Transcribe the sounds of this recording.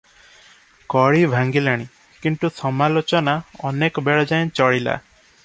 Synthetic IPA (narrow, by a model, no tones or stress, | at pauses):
kɔɭibʱaŋɡilaɽ̃i | kinʈ̪usɔmalot͡ʃɔnaɔnekɔbeɭɔd͡ʒajnt͡ʃɔɭila̰